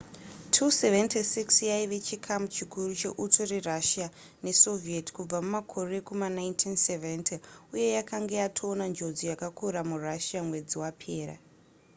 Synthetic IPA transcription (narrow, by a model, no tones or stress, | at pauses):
tʰuseventisiksjaiʋe̞t͡ʃikʰamt͡ʃikurut͡ʃe̞ʔutʰoreraʃija | ne̞so̞vieti̥kub͡vamumakʰo̞re̞kumanaintʰinseventʰiuje̞jakaŋɡejatʰoːnand͡ʒo̞d͡zijakakʰuɾamuraʃijamwe̞d͡ziwapʰe̞ːɾa̰